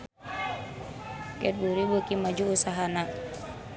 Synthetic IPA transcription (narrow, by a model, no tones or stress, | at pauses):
kɛt̪̚buɾibəkimad͡ʒuːsaɦana